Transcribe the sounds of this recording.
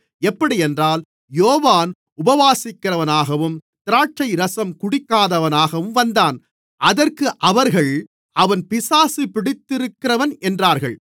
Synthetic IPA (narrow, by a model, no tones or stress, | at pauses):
ɛpːɐɽiɛndraːl | joːʋaːn | ʊbɐʋaːsɪkːɪɾɐʋɐnaːɣɐʋɯmt̪ɪɾaːt͡ʃːɐɪɾɐsɐmkʊɽɪkːaːðɐʋɐnaːɣɐʋɯmʋɐnd̪aːn | ʔɐðɐrkɯʔɐʋɐɾɣɐɭ | ʔɐʋɐnpɪsaːsipɪɽɪt̪ːɪɾɯkːɪrɐʋɐnʔɛndraːɾɣɐɭ